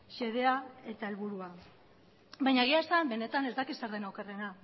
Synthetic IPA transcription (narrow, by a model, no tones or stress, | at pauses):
ʃe̞ðe̞ae̞t̪ae̞lβuɾua | bajɲaɣeaesambe̞ne̞t̪ane̞zd̪akiseɾðe̞nawkere̞na